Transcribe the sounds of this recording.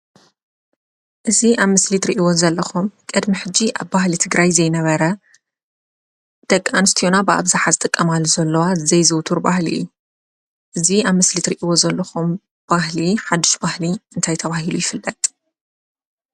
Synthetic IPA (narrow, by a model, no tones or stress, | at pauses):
ʔɨziʔaβmɨslit̪ɾiʔiwo̞zɐlːɐxumkʼɨd̪miħɨd͡ʒiʔa̰βbahlit̪ʰɨɡɾajzɐjnɐβɐɾɐ | d̪̥ɐkʼːanɨst̪ʰijo̞nabɨa̰βzaħazɨt̪ʼɨkʼːɐmalːuzɐlːɐwazɐjzɨwt̪ʰuɾba̰hlḭʔɨ̰ju | ʔɨziaβmɨslit̪ɾiʔiwo̞zɐlːɐxum | b̥ahliħad̪ːɨʃbahliɨnt̪ʰajt̪ʰɐβaɦilujɪfɨlːɐt̪ʼ